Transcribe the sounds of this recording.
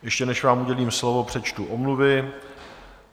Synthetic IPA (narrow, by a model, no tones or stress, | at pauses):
jɛʃcɛnɛʃvaːmuɟɛliːmslovo̞pr̥ɛt͡ʃt̪uʔomluvɪ